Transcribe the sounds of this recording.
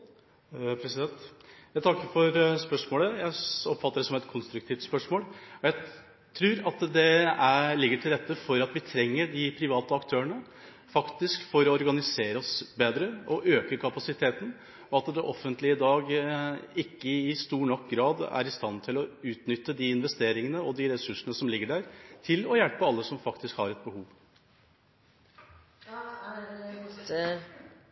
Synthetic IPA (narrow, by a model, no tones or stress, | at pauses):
pʰɾɛsɪd̪ɛnt̪jæɪt̪ʰɑkːəɾfɔɾspœʂmoːləjæɪɔpfɑt̪ːəɖɛsɔmɛt̪kʰɔnst̪ɾʉk̚t̪ʰiːft̪spœʂmoːlɔjæɪ | t̪ʰɾʉːɾɑt̪d̪ɛæɭɪɡːəʈʰɪlɾɛt̪ːəfɔɾɑt̪ʋɪt̪ʰɾɛŋːəɖɪpʰɾɪʋɑːt̪əɑkt̪ʰøːəɳə | fɑkt̪ɪskfɔɾɔɔɾɡɑnɪseːɾəɔsbeːd̪ɾəɔʔøːkəɾkʰɑpɑsɪt̪ʰeːt̪n̩ | ɔɑt̪d̪ɛʔɔfːənt̪lɪɪd̪ɑːɡ | ɪkːəɪst̪uːɳɔkɡɾɑːd̪æ̰ɾɪst̪ɑnt̪ʰɪlɔʉːt̪nʏt̪ːəd̪ɪɪnʋɛst̪eːɾɪŋənəɔd̪ɪɾɛsʉʂənəsɔmlɪɡːəɖæːɾt̪ʰɪlɔjælpəɑlːəsɔmfɑkt̪ɪskhɑɾɛt̪̚bəhuːʋ